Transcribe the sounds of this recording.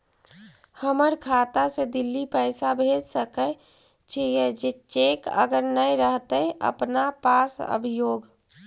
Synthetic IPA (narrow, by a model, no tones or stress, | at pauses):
həməɾkʰat̪ased̪ilːipəɪsabʱed͡ʒsəkə | t͡ʃʰəjed͡ʒet͡ʃekə̰ɡəɾnəjɾəɦt̪əjə̰pnapasə̰bʱijoːɡ